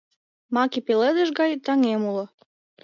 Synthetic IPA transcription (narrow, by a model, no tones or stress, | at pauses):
mɑkipeled̪əʃ̬ɡɑjt̪ɑŋemulŏ